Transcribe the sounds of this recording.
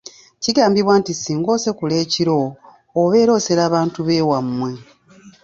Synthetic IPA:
ciɡaːmbiβwaːntisiːŋɡo̞ːse̞kule̞ːciɾo̞ː | βe̞ːɾo̞ːse̞ɾaːβaːntuβe̞ːwamːwe̞

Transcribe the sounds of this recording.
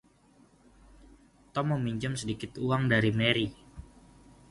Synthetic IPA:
t̪ɔmːəmiɲt͡ʃʊmsədikɪt̪uaŋdaɾimeɾi

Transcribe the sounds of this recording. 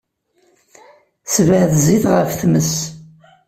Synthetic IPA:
svəʕðziθʁəfθməs

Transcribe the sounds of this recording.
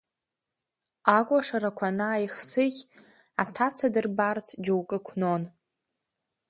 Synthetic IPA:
akʷʼaʂaɾakʷʰanaːjχsɨɡʲ | atʰat͡sʰadɨrbart͡sʰd͡ʒowkʼɨkʷʰnon

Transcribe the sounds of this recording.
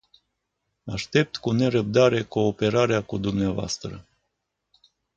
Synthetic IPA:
a̰ʃt̪e̞p̚t̪kune̞ɾəb̚d̪aɾe̞ko̞ːpe̞ɾaɾeakud̪umneavoa̰st̪ɾə̰

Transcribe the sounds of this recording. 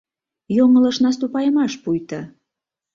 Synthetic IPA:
joŋələ̆ʃnɑs̬t̪upɑjəmɑʃpujt̪ə

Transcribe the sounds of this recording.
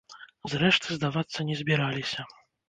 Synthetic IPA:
zɾɛʂt̪ɨzd̪avat̪sːɐnʲɛzʲbʲɛɾalʲisʲɐ

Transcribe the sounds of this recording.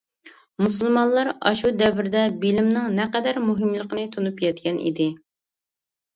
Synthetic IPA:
musɨlˠmɑnlˠɑɾɑ̰ʃud̪ɛvɪɾd̪ɛbilɪmnɪŋnɛqɛd̪æɾmuɦɨmlˠəqənɨt̪ʰunupjɛt̪̚kʲʰɛnḭd̪ɪ

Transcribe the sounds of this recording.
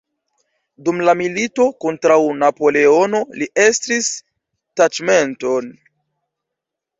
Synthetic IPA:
dumlamilito̞kontɾawnapo̞le̞o̞no̞liʔe̞stis | tad͡ʒme̞nto̞n

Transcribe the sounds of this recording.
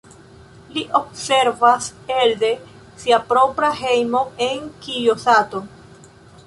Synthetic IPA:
liʔo̞b̚se̞ɾvaseld̪e̞ | siapɾo̞pɾaɦe̞jmo̞e̞ŋkijosat̪o̞

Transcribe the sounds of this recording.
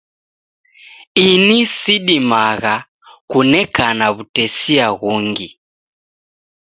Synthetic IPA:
inisiɗimaɣa | kunɛkanaβutɛsiaɣuŋɡḭ

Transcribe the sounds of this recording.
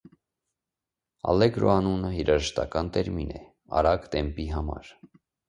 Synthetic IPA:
ɑ̰lɛɡɾɔɑnunəhiɾɑʒəʃt̪ɑkɑnt̪ɛɾminɛ | ɑ̰ɾɑɡd̪ɛmpiɦɑmɑ̰ɾ

